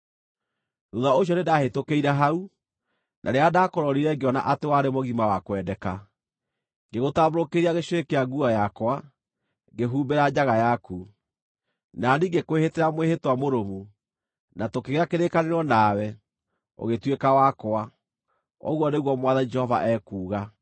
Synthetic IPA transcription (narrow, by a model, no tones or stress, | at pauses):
nuðaoɕ̬iɔnedahetokeiɾaɦau | nʔa̰ɾeadaːkoɾɔɾiɾɛɡeɔna̰ʔatewaɾemoɣimawakwɛdɛka | ɡeɣotaβoɾokeɾiaɣeɕwekeaɡuajakwa | ɡeɦuːmbeɾad͡ʑaɣajaku | naniːɡekweheteɾamwehetwamoɾomu | natokeɣeɾakeɾekaneɾɔnaːwɛ | o̰ɣetwekawakoa | ɔ̰ɣwɔneɣwɔmwaðad͡ʒɛhɔva̰ʔɛːkuːɣa